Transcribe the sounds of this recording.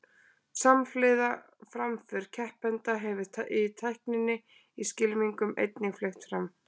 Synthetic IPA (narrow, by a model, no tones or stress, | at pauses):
samflɪːða | fɾamfɪɾ̥cʰɛhpɛnt̪aɦɛvɪ̥t̪ʰaʔɪt̪ʰajhknɪnːɪ | iscɪlmiŋkʏmḛjt̪nɪflext̪fɾam